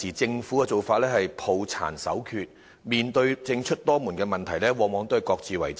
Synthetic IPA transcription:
iː˨˩t͡sɪ˧ŋfuː˨˥kɛ˧t͡so˨wfaː˧t̚lɛː˥hɐ˨jpʰo˨wt͡sʰa̰ː˨˩nsɐ̰˨˥wkʰyː˧t̚ | miː˨nt̪ɵ˧ɥt͡sɪ˧ŋt͡ʃʰɵ˥t̚t̪ɔː˥muː˨˩nkɛː˧mɐ˨˩nt̪ʰɐ˨˩jlɛː˥wɔː˨˧mɔː˨˧ŋt̪o˥ɐ˨˩jkɔː˧k̚t͡siː˨wɐ̰˨˩j

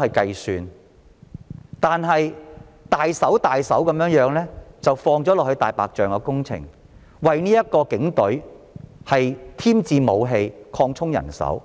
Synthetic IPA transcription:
ɐ˨jkɐ˧jsyː˨˧n | t̪aː˨nɦɐ˨jt̪aː˨jsɐ˨˥wt̪aː˨jsɐ̰˨˥wkɐ˨˥mjœː˨˥ŋjœː˨˥ŋlɛː˥t͡sɐ˨wfɔː˧ŋt͡sɔː˨˥lɔː˨k̚hɵ˧ɥt̪aː˨jpa̰ː˨k̚t͡ʃœː˨ŋkɔː˧kʊ˥ŋt͡sʰɪ̰˨˩ŋ | wɐ˨jniː˥jɐ˥t̚kɔː˧kɪ˨˥ŋt̪ɵ˨˥ɥhɐ˨jt̪ʰiː˥mt͡siː˧mo˨˧wɦe˧jkʰɔː˧ŋt͡sʰʊ˥ŋjɐ̰˨˩nsɐ̰˨˥w

